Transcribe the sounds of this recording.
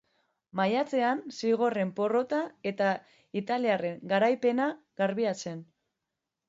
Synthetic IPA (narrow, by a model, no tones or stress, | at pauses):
majat͡se̞ansiɣ̞o̞re̞mpo̞ro̞t̪ae̞t̪a | it̪aliare̞ŋɡaɾajpe̞na | ɣaɾβiat͡se̞n